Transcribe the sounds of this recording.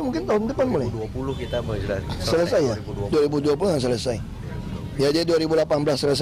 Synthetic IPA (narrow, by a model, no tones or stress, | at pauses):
muŋkɪnt̪aɦʊnd̪əpanmulajpulʊhkit̪abəsələsajaduaɾibuduap̬uluhjaŋs̬ələsaj | iad͡ʒaiduaɾibulapanbəlasːələs̬